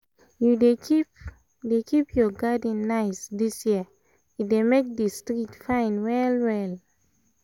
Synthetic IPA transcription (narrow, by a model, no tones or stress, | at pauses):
judekip | dekʰipjɔɡadə̃nːaɪsdisjiə | idemek̚dəstɹitfãɪ̃nwɛlwɛl